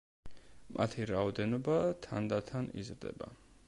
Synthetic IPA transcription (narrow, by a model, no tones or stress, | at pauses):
mʔat̪ʰiɾaɔd̪ɛnɔbat̪ʰa̰nd̪at̪ʰanḭzɾd̪ɛ̰ba̰